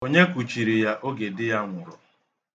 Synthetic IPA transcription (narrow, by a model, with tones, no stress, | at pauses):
o˦ɲe˦kʷu˨t͡ʃi˨ɾi˨ja˦ʔo˦ɡe˨dɪ˦ja˦ŋʷʊ˨ɾɔ˨